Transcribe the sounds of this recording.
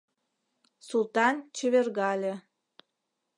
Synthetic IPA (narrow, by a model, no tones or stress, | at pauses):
sulˠt̪ɑnt͡ɕə̆βerɣɑlʲe